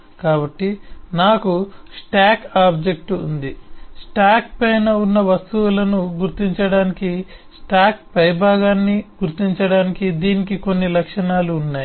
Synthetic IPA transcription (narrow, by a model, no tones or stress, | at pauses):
kaːbɐʈːinaːkusʈaːkaːbd͡ʒek̚ʈuṵnd̪isʈaːkpɐjnɐunːɐʋɐst̪uwulɐnuɡuɾt̪iɲt͡ʃɐɽaːnikisʈaːk̚pɐjbʱaːɡaːnːiɡuɾt̪iɲt͡ʃɐɽaːnikid̪iːnikiko̞nːilɐkʂɐnaːluːnːaːji